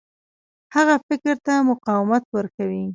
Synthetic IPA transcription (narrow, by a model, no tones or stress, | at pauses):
haɣafɪkɾt̪amʊqɑwɪmat̪wəɾkawi